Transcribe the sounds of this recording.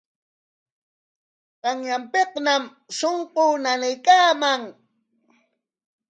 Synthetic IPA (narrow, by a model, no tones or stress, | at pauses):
qɑŋjampeqnam | soɴqoːnanajkaːmaŋ